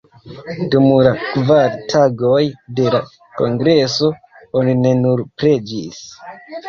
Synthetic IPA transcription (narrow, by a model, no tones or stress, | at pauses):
dumulakvaɾtʰaɡo̞jde̞la | ko̞ŋɡɾe̞so̞ | onine̞nuɾpɾe̞d͡ʒis